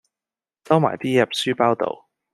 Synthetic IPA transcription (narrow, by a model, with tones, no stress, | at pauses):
sɐ˥wma̰ː˨˩jt̪iː˥jɛ˨˩p̚syː˥paː˥wt̪o̰˨˩w